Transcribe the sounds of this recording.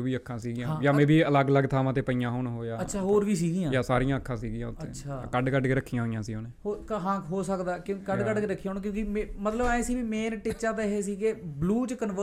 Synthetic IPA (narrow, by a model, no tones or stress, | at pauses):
oʋiːəkʰːãːsiːɡɪjãːjaːmẽːʋiːələɡləɡt̪ʰaːmãːt̪eːpəijãːɦoːɳɦoːjaːəːʃʰaːɦoːɾʋiːs̬iːɡijãːjaːsaːɾɪjãːəkʰːãːsiːɡɪjãːʊt̪ʰəḛːʃʰaːkəɖkəɖkeːɾəkʰːijãɦoːijãːsiːoːneːhoːkɦãːkɦoːsəkd̪aːkjõːkəɖkəɖkeːɾəkʰːijãːɦoːñːk̬jõːkimemət̪ləbaːẽːsiːʋiːmeːnʈɪt͡ʃaːt̪aɦeːsiːkebluːt͡ʃkənʋə